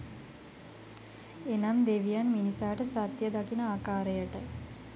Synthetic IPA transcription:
enamd̪eʋijanminisaːʈəsat̪jəd̪akinəaːkaːɾəjəʈə

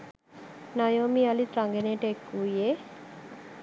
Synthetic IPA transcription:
najoːmialit̪ɾaŋɡeneʈekːuje

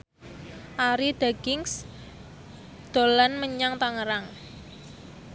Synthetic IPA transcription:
ʔaɾid̪̥aɡ̥ɪŋs | d̪̥o̤lanməɲaŋt̪aŋəɾaŋ

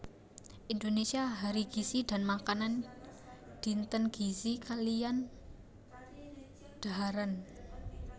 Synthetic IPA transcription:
ʔind̪onesiaɦaɾiɡ̥isid̥a̤nmakanan | d̪̥i̤nt̪ənɡ̥isikalijan | d̪̥aaɾan

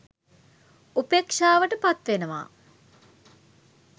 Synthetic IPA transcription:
upekʂaːʋəʈəpat̪ʋenəʋa̰ː

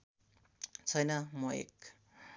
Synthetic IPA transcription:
t͡sʰʌjnʌmʌḛk̚

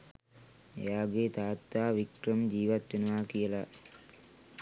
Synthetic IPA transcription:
ḛjaːɡet̪aːt̪ːaːʋikɾəmd͡ʒiːʋat̪ʋenuʋaːkijəla

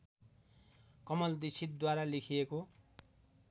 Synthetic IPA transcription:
kʌmʌld̪isit̪̚d̪waɾalekʰijeko

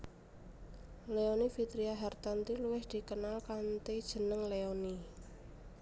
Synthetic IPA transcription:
leonifit̪ɾiaɦɛrt̪ant̪iluwɪhd̪̥i̤kənalkant̪ed̥ʒ̥ə̤nəŋleoni

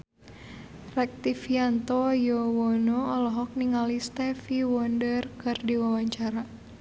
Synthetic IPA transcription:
rɛk̚t̪ifiant̪ɔjɔwɔnɔɔlɔɦɔk̚niŋalist̪ɛfiwɔndərkɨrdiwawaɲt͡ʃaɾa

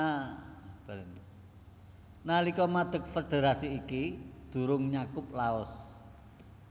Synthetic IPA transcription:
a | b̥aln | nalikɔmad̪̥ə̤k̚fed̪̥eɾasiːkid̪̥ṳɾʊŋɲakʊp̚laɔs

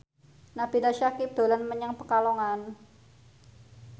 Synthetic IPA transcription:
nab̥idaʃakɪp̚d̪̥o̤lanməɲəŋpəkalɔŋan

